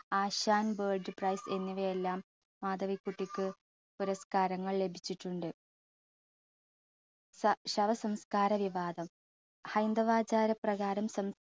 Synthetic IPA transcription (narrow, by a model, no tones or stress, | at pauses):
aːɕaːnbeːɭɖɨprɐjse̞nːiʋɐjelːaːmː | aːd̪ɐʋikːuʈːikʲːɨ | puɾɐskaːɾɐŋːɐɭle̞bʱit͡ɕːiʈːuɳɖɨ | ɕɐʋɐsɐmskaːɾɐʋiʋaːd̪ɐm | hɐjnd̪ɐʋaːd͡ʑaːɾɐprɐɣaːɾɐmsɐm